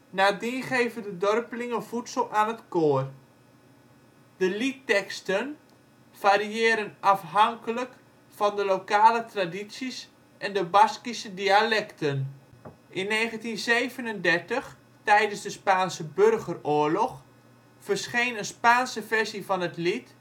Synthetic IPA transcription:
naːdiχejvəndədɔrpəlɪŋənfutsəlˠaːnətkoːər | d̥əlitːɛkstən | variɪːɾənɑfɦɑŋkələk | fɑndəlokaːlətradisis | ʔɛndəbɑskisədialɛktən | ʔɪnːeːχəntinzejvənəndɛrtəx | tɛjdənzdəspaːnsəbørɣərʊːəɹlɔx | fərsχejnənspaːnsəvɛɹsivɑnətlit

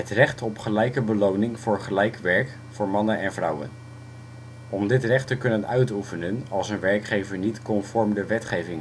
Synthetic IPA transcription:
ɦətrɛχtɔpχəlɛjkəbəlownɪŋvʊːɹχəlɛjkʋɛɹk | vʊːɹmɑnənɛnvrʌwə̰n | ɔmdɪtrɛχtəkɵnənœɥtufənənɑlˠsənʋɛɹkχejvəɹnitkɔnfɔɹmdəʋɛtχejvɪŋ

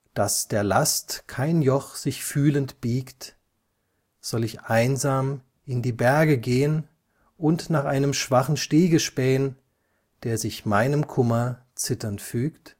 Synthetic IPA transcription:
d̥asd̥eːɐlastkʰaɪnjɔχz̥ɪçfyːləntb̥iːkt | z̥ɔlɪçʔaɪnzaːm | ʔɪndiːbɛɐɡəɡeːən | ʔʊntnaːχʔaɪnəmʃv̥aχn̩ʃteːɡəʃpɛːən | d̥eːɐzɪçmaɪnəmkʰʊmɐ | t͡sɪtɐntfyːkt

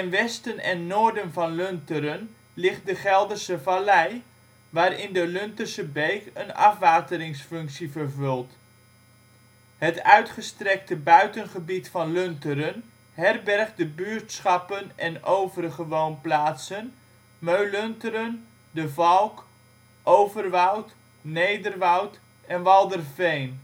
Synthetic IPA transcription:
ɪnʋɛstənɛ̰nːoːɹdənvɑnlɵntəɾən | lɪχt̚dəχɛlˠdərsəvalɛj | ʋaːɾɪndəlɵntərsəbejkənɑ̰fʋaːtəɾɪŋsfɵŋksivərvɵlˠt | hətœɥtχəstrɛk̚təbœɥtənχəbitfɑnløntəɾən | ɦɛrbɛrχdəbyːɹtsχɑpənɛnowvərχəʋownplaːtsən | møɥlɵntəɾən | dəvɑlˠk | ʔowvərʋɔwt | nejdərʋɔwt | ɛnʋɑlˠdərvejn

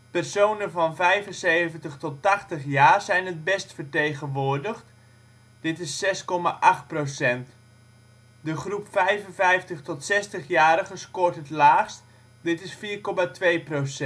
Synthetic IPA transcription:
pɛrsownəvɔnvɛjvənsejvəntəxtɔtaχtəχjaːrzɛjnət̚bɛstfərtejɣənʋʊːrdəxt | d̥ɪtɪsːɛskɔma̰ʔaxt̚prowsɛnt | dəχrupfɛjvənvɛjftəχtɔtsɛstəχjaːɾəχəskortətlaːxst | dɪtɪsfiːrkɔmatʋejprowsɛ

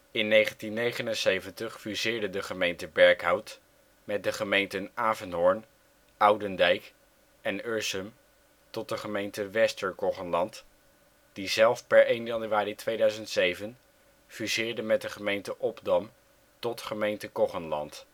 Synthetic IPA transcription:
ɪnːejχəntinːejχənənsejvəntəχfyzɪːɹdədəχəmejntəbɛɹkɦɑwt | mɛt̚dəχəmejntənaːvənɦɔɹn | ɑwdəndɛjk | ɛnøɹsəm | tɔt̚dəχəmejntəʋɛstəɹkɔχənlɑnt | d̥izɛlˠfpɛɹejnjɑnyaːritʋejdœɥzəntsejvən | fyzɪːɹdəmɛt̚dəχəmejntəʔɔbdɑm | tɔtχəmejntəkɔχənlɑ̰nt

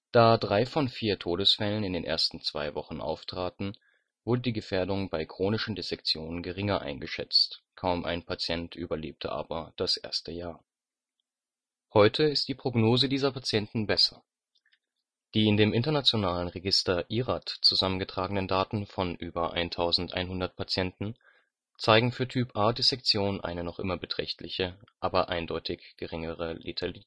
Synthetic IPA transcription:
d̥aːdʁaɪfɔnfiːɐtʰoːdəsfɛlənɪndeːnʔḛɐstn̩t͡sv̥a̰ɪvɔχn̩ʔa̰ʊftʁ̥aːtn̩ | v̥ʊɐdədiːɡəfeːɐdʊŋbaɪkʁ̥oːnɪʃn̩dezɛk̚t͡sjoːnənɡəʁɪŋɐʔa̰ɪnɡəʃɛ̰t͡stkʰaʊmʔa̰ɪnpʰat͡sjɛntʰʔy̰ːbɐlḛːp̚tʰə̰ʔa̰ːbɐd̥asʔḛːɐstəjaːɐ | hɔʏtʰəɪstd̥iːpʁ̥oɡnoːzədiːzɐpat͡sjɛntn̩bɛsɐ | d̥iːɪndeːmɪntɐnat͡sjonaːlənʁeɡɪstɐʔiːʁatt͡suzamənɡətʁ̥aːɡənəndaːtn̩fɔnʔyːbɐʔa̰ɪntʰaʊzn̩tʔa̰ɪnɦʊndɐt̚pʰat͡sjɛntn̩ | t͡saɪɡŋ̩fyːɐtʰyːpʰʔaːdesɛk̚t͡sjoːnʔa̰ɪnənɔχʔɪ̰mɐbətʁ̥ɛ̰çtlɪçəʔaːbɐʔaɪndɔʏtʰɪçɡ̥əʁɪŋəʁ̞əlitʰali

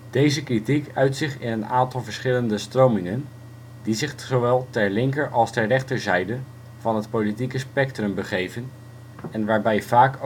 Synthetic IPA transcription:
d̥ejzəkritikœɥtsɪχɪnəna̰ːntɑlˠvəɹsχɪləndəstrowmɪŋən | dizɪχzoʋɛlˠtɛɹlɪŋkəɹʔɑlˠstɛɹrɛχtəɹzɛjdə | vɑnɦətpolitikəspɛktrɵmbəχejvən | ɛnʋaːɹbɛjvaːk

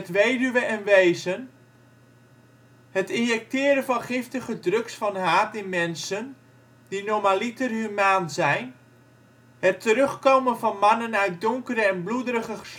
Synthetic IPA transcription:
ətʋejdyʋəʔɛnʋejzən | hətɪnjɛk̚tɪːɾənvɑnχɪftəɣədrøksfɑnɦaːtɪnmɛnsən | dinomalitərɦymaːnzɛjn | hətʰːəɾøχkowmənvɑnmanənœɥt̚dʊŋkərəɛnbludəɾəɣəs

